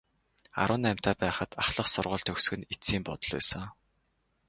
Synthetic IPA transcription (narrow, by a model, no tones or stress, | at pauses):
a̰ɾʊ̆ːnæːm̥ʲt̪ʰæːpæːχə̆t̪aχɮə̆χsʊrʁʊ̆ːɮt̪ʰɵxsɡɘ̆nit͡siːmpɔt̪ɞ̆ɮwæ̰ːsə̆ŋ